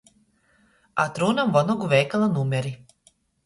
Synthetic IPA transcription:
a̰t̪ɾuːnamʋonoɡuʋeːkalˠanuːmʲeɾi

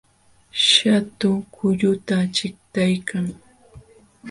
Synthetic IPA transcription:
ʃat̪ʊkʊʎʊt̪at͡ʃɪkt̪ajkʰaŋ

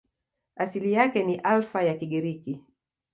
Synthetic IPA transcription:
asilijakɛniʔalfajakiɠiɾiki

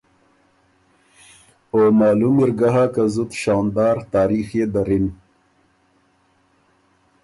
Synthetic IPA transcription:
omɑːlumiɾɡaɦakazut̪ʃɑːnd̪ɑːɾt̪ɑːɾixed̪aɾin

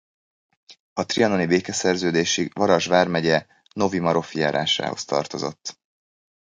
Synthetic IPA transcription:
ɒt̪riɒno̞nibeːkɛsɛrzøːd̪eːʃivɒɾɒʒʋaːrmɛɟɛ | no̞vimɒɾo̞fija̰ːɾa̰ːʃa̰ːho̞̰st̪ɒ̰rt̪o̞zo̞̰t̪ː

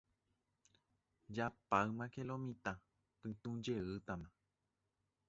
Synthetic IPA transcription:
d͡ʒapaɨmãkelomĩt̪ã | pɨ̃t̪ũd͡ʒeɨt̪amã

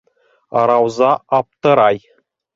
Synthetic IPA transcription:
ɑɾɑwzɑɑp̚t̪ɤ̆ɾɑj

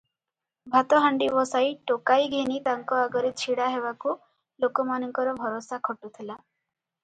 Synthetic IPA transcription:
bʱat̪ɔɦaɳɖiʋɔsaiʈokaiɡʱenit̪aŋkɔaɡɔɾit͡ʃʰiɽaɦeʋaku | lokɔmanɔŋkɔɾɔbʱɔɾɔsakʰɔʈut̪ʰila

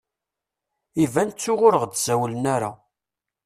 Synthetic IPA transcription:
ivænt͡sːʊʁʊɾəʁd̪z̥æwlənæɾa̰

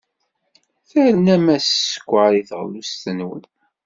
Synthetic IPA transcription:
θæɾənæmæssə̥kʷːəʕɾiθəʁlust̪ənwə̰n

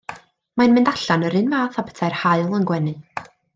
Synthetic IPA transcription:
majnmɨndaɬanəɾɨnvaːθabɛ̥tʰajrhaɨlˠənɡwɛnɨ

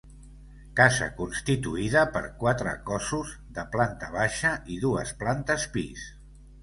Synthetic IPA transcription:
kazə̰kunst̪it̪uiðəpə̰ɾkwat̪ɾə̰kɔsuz | ðəplant̪əβ̞aʃəʔiðuəsplant̪əspis

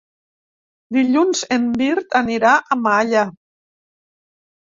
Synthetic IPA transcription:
d̪iʎunzembiɾt̪aniɾaʔamaʎa

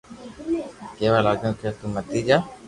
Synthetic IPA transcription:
keːʋaːlaːd͡ʒũːk̪ʰaːt̪uːmət̪iːd͡ʒaː

